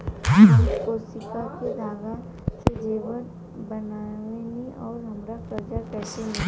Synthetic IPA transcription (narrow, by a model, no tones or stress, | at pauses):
koːsɪkakid̪ʱaːɡa | sed͡ʒeːʋəɾ | bɐnaːʋẽnĩʔɔːɾɦɐmɾakɐɾd͡ʒakɛːsenẽ